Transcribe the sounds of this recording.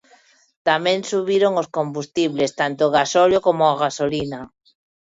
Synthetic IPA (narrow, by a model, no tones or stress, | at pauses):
t̪amẽŋsuβiɾoŋoskombust̪iβlest̪ant̪oːɣasoljokomoaɣasolina